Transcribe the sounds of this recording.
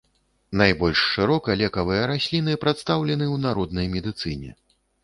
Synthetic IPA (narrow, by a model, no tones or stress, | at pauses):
najbɔlʲʂːɨɾɔkɐlʲɛkɐvɨjɐɾasʲlʲinɨpɾat̪st̪awlʲɛnɨwnaɾɔd̪̚nɐjmʲɛd̪ɨt̪sɨnʲɛ̰